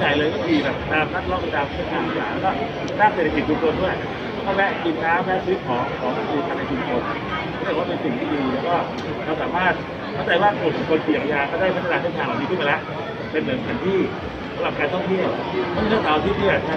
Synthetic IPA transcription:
jaː˨˩jlɤː˧jma˥˩ʔiː˧˩bɛ˨˩˥t̪aː˧mna˦˥˩lɔː˥˩k̚we˧naː˧kkʰːkʰaː˧˩ma˧˩saː˩˦la˦˥kɔː˥˩ | saː˥˩ŋse˨˩t̪ʰa˧˩ki˨˩t͡ɕʰːu˧ŋt͡ɕʰo˧ndu˥˩əj | kʰɔ˥˩mɛ˦˥ki˧nkaː˧˩mɛ˦˥st̪̚kʰɔː˩˦kʰɔː˨˩˦ma˧˩duː˧t̪ʰaː˦˥˩na˧t͡ɕʰu˧mt͡ɕʰo˧nʰ | a˨˦t̪ːkwaː˥˩pe˧nsi˨˩ŋt̪ʰiː˥˩diː˧lɛː˦˥wkɔː˥˩ | ɾa˧wsaː˩˦maː˥˩t̪̚ | kʰa˥˩wt͡ɕa˧jwaː˥˩ku˨˩˨kʰo˧nkʰi˨˩˨ʔa˧jaː˧kɔː˥˩daː˥˩jpʰa˥t̪ʰa˧naː˧k̪ʰe˥˩k̪ʰaː˧˩laː˨˩ni˧˥˩ma˧lɛ˦˥ʔ | pe˧nːɯ˩˦ŋt̪ʰa˧˩˦nt̪ʰiː˥˩ | sa˨˦ɾa˨˩p̚kaː˧nt̪ʰɔ˥˩ŋt̪ʰi˦˥˩əw | mʰɔ˥˩˨nʰɯ˥˩a˧wt̪ʰiː˥˩t̪i˥˩ɐ˦˥

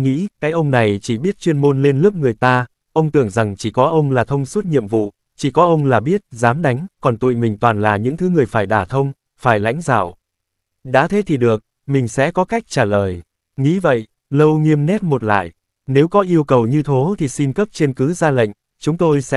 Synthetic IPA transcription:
ŋḭ˧˥kaː˨˦jʔə˧wŋ͡mna˨˩jt͡ɕi˧˩ɓi˦˥t̚t͡ɕwi˧ənmo˧nle˧nlɨ˦˥əp̚ŋɨ˨˩əjt̪aː˧ | ʔə˧wŋ͡mt̪ɨ˧˩əŋza˨˩ŋt͡ɕi˧˩kɔ˨˦ʔə˧wŋ͡mlaː˨˩t̪ʰə˧wŋ͡msu˦˥t̚ɲḭ˧˨əmvṵ˧˨ | t͡ɕi˧˩kɔ˨˦ʔə˧wŋ͡mlaː˨˩ɓi˦˥ət̚zaː˨˦mɗa˨˦jŋ̟kɔ˨˩nt̪ṵ˧˨jmï˨˩ŋ̟t̪waː˨˩nlaː˨˩ɲɨ̰˧˥ŋt̪ʰɨ˨˦ŋɨ˨˩əjfaː˧˩jɗaː˧˩t̪ʰə˧wŋ͡m | faː˧˩jla̰˧˥jŋ̟za̰ː˧˩w | ɗa̰ː˧˥t̪ʰe˨˦t̪ʰi˨˩ɗɨ˨˩ək̚ | mï˨˩ŋ̟sɛ̰˧˥kɔ˨˦ka˦˥jk̚t͡ɕaː˧˩ləː˨˩j | ŋḭ˧˥və̰˧˨j | lə˧wŋi˧əmnɛ˦˥t̚mo˨˩t̚la̰ː˧˨j | ne˨˦wkɔ˨˦ʔi˧əwkə˨˩wɲɨ˧t̪ʰo˨˦t̪ʰi˨˩si˧nkə˦˥p̚t͡ɕe˧nkɨ˨˦zaː˧lə̰˧˨ŋ̟ | t͡ɕʊ˨˦ŋ͡mt̪o˧jsɛ̰˧˥

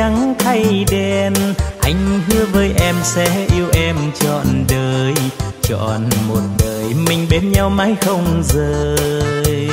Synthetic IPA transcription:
a˨˦ŋt̪ʰa˧jɗe˧nʔa˧˩jŋ̟ɦɨ˨˦əvəː˨˦jʔɛ˧msɛ̰˧˥ʔi˧əwʔɛ˧mt͡ɕɔ̰˧˨nɗəː˨˩j | t͡ɕɔ̰˧˨˩nmo˨˩t̚ɗəː˨˩jmï˨˩ŋ̟ɓe˨˦nɲa˧wmaː˧˦jxə˧wŋ͡mzəː˨˩jj

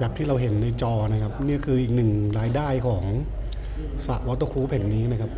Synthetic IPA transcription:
bɛː˨˩t̪ʰiː˥˩ɾa˧wɦe˩˦nːa˧jt͡ɕɔː˧na˦˥kʰa˦˥p̚niː˥˩kʰɯː˧ʔiː˨˩k̚nɯ˨˩ŋɾaː˧jdaː˥˩jkʰɔː˩˦ŋ | sa˨˩ʔwɔː˧˦˥t̪ɤː˧kʰuː˦˥pʰe˨˩˦nːiː˦˥na˦˥kʰa˦˥p̚

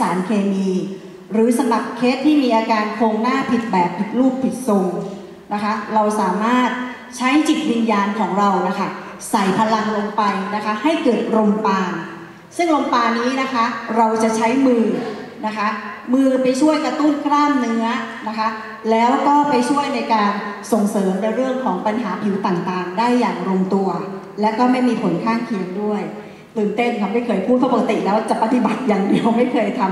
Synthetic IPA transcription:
sa̰ː˩˦nkʰeː˧miː˧ | ɾɯː˩˦sa˧mɾa˨˩p̚kʰe˦˥t̪ʰːiː˥˩miː˧ʔaː˧kaː˧nkʰoː˧ŋnaː˥˩pʰi˨˩t̪̚bɛː˨˩p̚pʰi˨˩k̪̚luː˥˩p̚pʰi˨˩t̪̚so˧ŋ | na˦˥kʰa˦˥ɾa˧wsaː˩˦maː˥˩t̪̚ | t͡ɕʰa˦˥jt͡ɕi˨˩t̪̚wi˧njaː˧nkʰɔː˩˦ŋɾa˧wna˦˥kʰa˥˩ | sa˨˩jpʰa˧la˨˩ŋlo˧ŋpa˧jna˦˥kʰa˦˥ha˥˩jkɤː˨˩t̪̚ɾo˧ŋpaː˧ | sɯ˥˩ŋɾo˧ŋpaː˧nːiː˦˥na˦˥kʰa˦˥ɾa˧wt͡ɕa˨˩t͡ɕʰa˦˥jmɯː˧na˦˥kʰa˦˥mɯː˧pa˧jt͡ɕʰu˥˩əjkɾa˧t̪u˥˩nkʰɾaː˥˩mːɯ˧˦˥ɐna˦˥kʰa˦˥ | lɛː˦˥wkɔː˥˩pa˧jt͡ɕʰu˥˩əjna˧jkaː˧nso˨˩ŋsɤː˩˦mna˧jɾɯ˥˩əŋkʰɔː˩˦ŋpa˧nɦaː˩˦pʰi˨˩˦wt̪aː˨˩ŋt̪aː˨˩ŋdaː˥˩jːaː˨˩ŋɾo˧mt̪u˧ɐ | lɛː˦˥wkɔː˥˩ma˥˩jmiː˧pʰo˩˦nkʰaː˥˩ŋkʰi˧˩ŋdu˥˩əj | t̪ɯː˨˩nt̪e˥˩mt̪ʰa˧ma˥˩jkʰɤː˧jpʰuː˥˩t̪̚pʰa˦˩˨ka˥t̪i˨˩lɛː˦˥wt͡ɕa˨˩pa˧t̪i˨˩ba˨˩t̪̚jaː˨˩ŋdi˧əwma˥˩jkʰɤː˧jt̪ʰa˧m

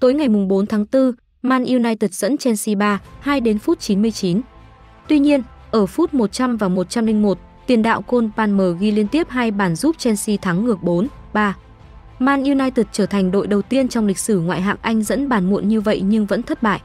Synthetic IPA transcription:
t̪o˨˦jŋa˨˩jmʊ˨˩ŋ͡mɓo˨˦nt̪ʰaː˨˦ŋt̪ɨ˧ | maː˧nʔi˧wnaː˧jt̪i˨˩t̚z̥ə̰˧˥nt͡ɕɛ˧nsi˧ɓaː˧haː˧jɗe˨˦nfu˦˥t̚t͡ɕi˨˦nmɨ˧əjt͡ɕi˨˦n | t̪wi˧ɲi˧ən | ʔəː˧˩fu˦˥t̚mo˨˩t̚t͡ɕa˧mvaː˨˩mo˨˩t̚t͡ɕa˧mlï˧ŋ̟mo˨˩t̚ | t̪wi˨˩ənɗa̰ː˧˨wko˧npaː˧nməː˨˩ɣi˧li˧ənt̪i˦˥əp̚haː˧jɓaː˧˩nzu˦˥p̚t͡ɕɛ˧nsi˧t̪ʰaː˨˦ŋːɨ˨˩ək̚ɓo˨˦nɓaː˧ | maː˧nʔi˧wnaː˧jt̪i˨˩t̚t͡ɕəː˧˩t̪ʰa˨˩ŋ̟ɗo̰˧˨jɗə˨˩wt̪i˧ənt͡ɕɔ˧wŋ͡mlï˨˩k̟̚sɨ˧˩ŋwa̰ː˧˨jɦa̰ː˧˨ŋʔa˧jŋ̟zə̰˧˥nɓaː˧˩nmṵ˧˨ənɲɨ˧və̰˧˨jɲɨ˧ŋvə̰˧˥nt̪ʰə˦˥t̚ɓa̰ː˧˨jʔ

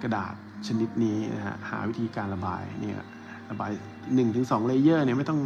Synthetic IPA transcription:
ka˧da̰ː˨˩t̪̚t͡ɕʰa˧ni˦˥t̪̚niː˦˥na̰˦˥kʰa̰˦˥ha̰ː˩˦wi˦˥t̪ʰiː˧kaː˧nɾa˧ba̰ː˧jnḭ˥˩ | ɾa˧baː˧j | nɯ˨˩ŋt̪ʰɯ˩˦ŋsɔː˩˦ŋleː˧jɤː˥˩ni˥˩ma˥˩jt̪ɔ˥˩ŋ

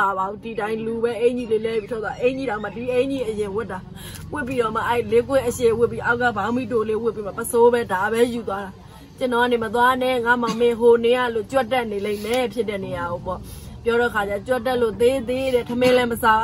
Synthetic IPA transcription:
a˨bã˨ũ˦di˨tã˨ɪ̃lu˨bɛ˦ʔẽ˦ɪ̃ɲi˦˨le˦˨lɛ˦˨i˨tʰo˦˨t̪wa˨ʔẽ˦ɲi˦˨ã˨ma˨di˨ʔẽ˦ɲi˦˨ʔəjɪ̃˨wʊ˦tːa˨ | wɪ˦ʔpːi˦ɾɔ˦˨ma˨ʔɛ˦i˨le˦kwɪ̃˦ʔəʃe˨wɪ˦pːi˦ʔa˦ʊʔk̬ːa˦˨bã˨˦ʊ̃mi˦to˨le˦wɪ˦pːi˦ma˦˨pəso˦bɛ˦da˨βɛ˦ju˨t̪̬wa˦ɾa˨ | t͡ɕə˨nɔ˨a˦˨ne˨mə˨t̪̬wa˦nɛ˦˨ŋa˦˨ma˨mɪ̃˨ɦo˨ne˨ja˦˨lo˦˨t͡ɕwɛ˦tːɛ˦ʔne˨lẽ˦ɪ̃mɛ˨˦pʰjɪ˦tːɛ˦˨ne˨ja˨ɣo˨pɔ̰˦˨pjɔ˦ɾɔ˦ʔəkʰa˨a˦˨ɔ˨t͡ɕwɛ˦tːɛ˦ʔlo˦˨t̪e˦t̪e˦ɾɛ˨tʰəmɪ̃˦lɛ˦məsa˦˨

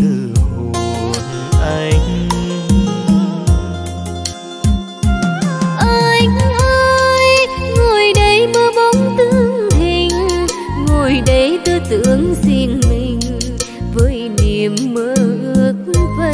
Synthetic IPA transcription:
t̪ɨ˧˩˨ | nʔa˧ŋ | ʔəː˧ŋ˧ʔə˧jŋo˨˩jɗə˨˦jməː˨˧˦ɓɔ˨˦ŋ͡mt̪ɨ˧˦˥ŋhi˨˧˩ŋ̟ | ŋo˨˩jɗə˨˦jt̪ɨ˧˦t̪ɨ˧˥əŋzi˧ənmi˨˩ŋ̟ | vəː˨˦jni˨˩əmːəː˧˨˦ʔɨ˧˩ək̚və˧˨

